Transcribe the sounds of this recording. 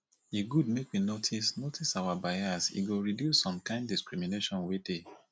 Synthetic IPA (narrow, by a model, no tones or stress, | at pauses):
eɡud̚mekwinotʰisnotʰisawabajasḭɡoɹidjusːɔ̃mkãɪ̃nddiskɹimineʃɔ̃nwede